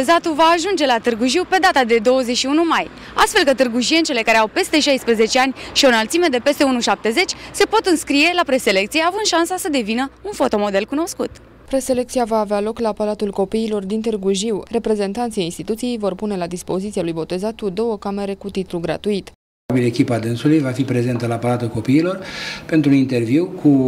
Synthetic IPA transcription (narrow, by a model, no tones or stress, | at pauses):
ezat̪uvaːʒund͡ʒe̞lat̪ɨrɡuʒiwpe̞d̪at̪ad̪e̞d̪o̞wəzeʃiunumaj | a̰st̪fe̞lkət̪ɨrɡuʒient͡ʃe̞le̞kaɾeawpe̞st̪e̞ʃajspɾeze̞t͡ʃeanʲʃio̞nəlt̪sime̞d̪e̞pe̞st̪e̞unuʃap̚t̪e̞ze̞t͡ʃʲse̞po̞t̪ɨnskɾije̞lapɾe̞se̞le̞kt̪sijeavɨnd̪ʃansasəd̪e̞vinəunfo̞t̪o̞mo̞d̪e̞lkuno̞skut̪ | pɾe̞se̞le̞k̚t̪sijavaːvealo̞klaːpalat̪ulko̞piːlo̞rd̪int̪erɡuʒiwre̞pɾe̞ze̞nt̪ant̪siajinst̪it̪ut̪sije̞jvo̞rpune̞lad̪ispo̞zit̪sialujbo̞t̪e̞zat̪kud̪o̞wəkame̞ɾe̞kut̪it̪ɾuɡɾa̰t̪uit̪ | bile̞kʲipaːd̪ɨnsulujvafipɾe̞ze̞nt̪əlaːpalat̪ulko̞piːlo̞rpe̞nt̪ɾunint̪e̞rviwkʰu